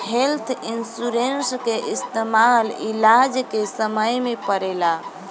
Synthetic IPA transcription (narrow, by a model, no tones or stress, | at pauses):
helt̪ʰinsuɾenskeʔist̪emalilad͡ʒkesəməjmepəɾɛla